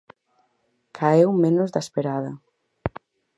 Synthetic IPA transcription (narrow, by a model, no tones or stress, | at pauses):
kʰaewmenʊzðaspeɾaðɐ̰